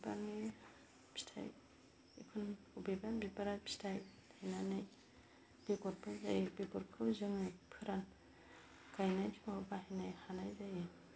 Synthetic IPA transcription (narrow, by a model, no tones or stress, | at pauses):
ba̰ŋɯ | bi̥stʰa̰j | ḛkʰun | ubebabibaɾabʰi̥stʰajtʰajnanɯj | b̥eɡɔɾpʰɯza̰jɯbekɔɾkʰɯwzɯŋɯpʰɯɾan | kajnajpʰimabahajnajhanajzajɯ